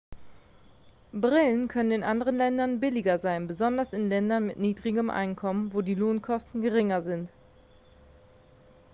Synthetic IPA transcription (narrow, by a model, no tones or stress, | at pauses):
bʁɪlənkʰœnənɪnʔandəʁ̞ənlɛndɐnbɪlɪɡɐzaɪnbəzɔndɐsɪnlɛndɐnmɪtniːdʁɪɡəmʔa̰ɪnkʰɔmənvoːdiːloːnkʰɔstn̩ɡəʁɪŋɐzɪnt